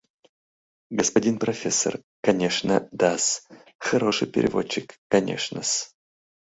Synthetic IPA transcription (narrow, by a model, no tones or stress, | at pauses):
ɡəspɐdʲinpɾɐfʲesːə̰r | kɐnʲeʂnəd̪as | xɐɾoʂɨjpʲɪ̰ɾʲɪ̰vo̞t͡ɕːɪkːɐnʲḛʂnəs